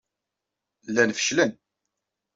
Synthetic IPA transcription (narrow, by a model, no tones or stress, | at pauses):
lːænfə̥ʃlən